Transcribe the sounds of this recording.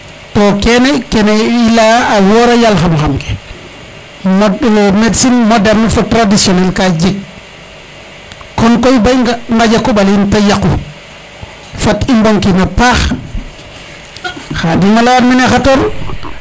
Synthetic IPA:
tɔkɛnɛkɛnɛilaawɔɾajalxamxamkɛ̥ | mdmetsinmodɛɾnafotɾadisiɔnɛlkad͡ʒiɡ̚ | kɔnkojbajŋɡaɟakːuɓalintajaku | fatimboŋkinapaːx | xadimalaːɾminexatoɾ

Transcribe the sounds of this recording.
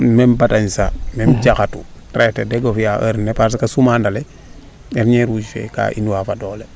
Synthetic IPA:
membataɲsa̰memd͡ʒakatutɾetedɛɡofijaʔə̰ɾnepaɾs̬ikasumandale | ɛɾɲɛɾud͡ʒfḛka̰ʔḭnuwafadoːle

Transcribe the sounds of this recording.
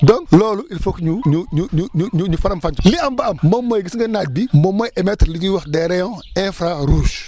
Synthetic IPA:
dɔnlɔːluilfokɲuɲuɲuɲuɲuɲuɲufɐɾɐmfɐɲliɐmbɐɐmmɐmːojɡisŋɡɐnat̚bimɔmɔjʔɛmɛtɾliɲiwɐxdɛɾɛjɔ̃ɛ̃fɾaɾuːʃ

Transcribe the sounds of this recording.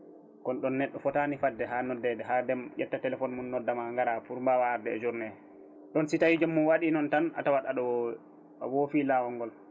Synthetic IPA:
kɔnɗɔnːɛɗːɔfɔtanifadːɛɦanɔdɛdɛɦadɛmjɛtːatɛlɛfɔnmunːɔdːamaŋɡaɾafuɾmbawaɾdɛ̰ːd͡ʒuɾnɛ | ɗɔnsitawid͡ʒɔmːunwaɗinɔntana̰tawaɗaɗɔw | wɔfilawɔŋɡɔl

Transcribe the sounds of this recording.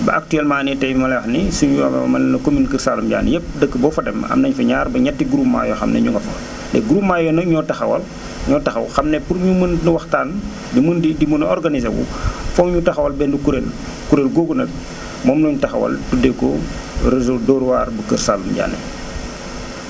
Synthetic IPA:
bɐ̰ʔak̚tyɛlmaːnitɛjmɐlɛxnisuɲiwamɐlɛnɐkominkərsaːlumɟa̰ːnːḭjəp̚dəkːəbɔfɐdɛmɐ̰mnɐɲfɐɲaːɾbɐɲɐtːiɡuɾuːpma̰ːjɔxɐmnɛ̰ɲuŋɡɐfɐ̰ | dɛ̰ɡuɾuːpmajɔnɐɲɔtɐxɐwɐ̰l | ɲɔtɐxɐwxɐmnɛpuɾɲumənnwɐxtaːn | dimundidimunɔrɡanizewṵfɔmɲutɐxɐwɐlbɛndikuɾel | kuɾelɡoːɡunɐt̚ | mɔːmnɔɲtɐxɐ̰wɐ̰ltudɛkɔ̰ | rɛzɔdɔːɾwaːrbəkərsaːlumɟa̰ːnːḭ

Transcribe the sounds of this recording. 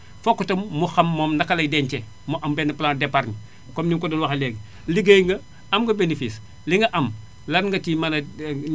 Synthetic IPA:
fɔkːutɐmːuxɐmːɔːmnakːɐlɐjdɛntɛ | muʔɐmbɛnɐplandɛpaɾɲi | kɔmniŋkɔdɐlwaxɐlɛɡ | liɡəjŋɡɐ | ɐmɡɐbenifis | liŋɡɐʔɐm | lɐnŋɡɐtimanɐ

